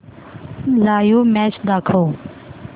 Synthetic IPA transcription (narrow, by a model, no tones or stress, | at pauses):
laːjuːmɛːt͡ʃd̪aːkʰoː